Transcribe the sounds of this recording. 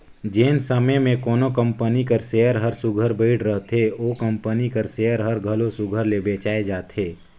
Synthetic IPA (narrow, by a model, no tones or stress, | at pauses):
d͡ʒeːnsəməjmẽkɔːnokə̃mpənikəɾseːəɾɦəɾsʊɡʱəɾbəɪɽɾəɦt̪eoːkə̃mpənikəɾseːəɾɦəɾɡʱəlosʊɡʱəɾlebeːt͡ʃaːed͡ʒaːt̪ʰeː